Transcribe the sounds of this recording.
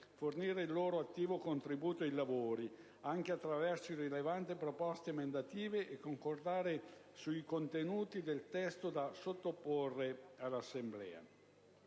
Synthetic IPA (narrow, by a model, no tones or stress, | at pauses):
forniːɾeilːoːɾoat̪ːiːvokont̪ɾibuːt̪oilavoːɾi | aŋk̟eat̪ːɾavɛrsoirilevant̪ipɾopɔst̪eːmend̪at̪iːveʔekːoŋkord̪aːɾe | suikont̪enuːt̪id̪elt̪ɛst̪od̪asot̪ːopːorːealːasːemblɛ̰ːa̰